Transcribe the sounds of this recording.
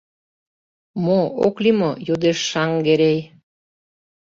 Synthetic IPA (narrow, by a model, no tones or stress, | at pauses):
mooklimojud̪eʃːɑŋɡeɾej